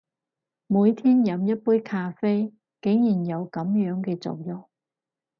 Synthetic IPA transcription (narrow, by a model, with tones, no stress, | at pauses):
muː˨˧jt̪ʰiː˥njɐ˨˧mjɐ˥t̚puː˥jkʰaː˧fe˥j | ke˨˥ŋjiː˨˩njɐ˨˧wkɐ˨˥mjœː˨˥ŋkɛː˧t͡so̰˨wjʊ˨˩ŋ̚